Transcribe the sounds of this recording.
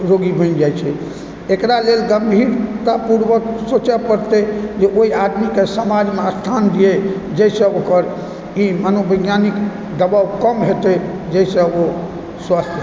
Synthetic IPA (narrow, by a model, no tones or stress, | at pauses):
ɾoɡibʱə̃nd͡ʒajt͡ʃʰɛ | ekɾalelɡəmbʱiɾt̪apuɾbəksot͡ʃɛpəɾt̪ɛd͡ʒeʔoiad̪mikesəmad͡ʒmeəst̪ʰand̪ije | d͡ʒɛsə̃okəɾ | imənobəɡjanik | d̪əbawkəmɦet̪ɛ | d͡ʒɛɪsə̃o | swast̪ʰ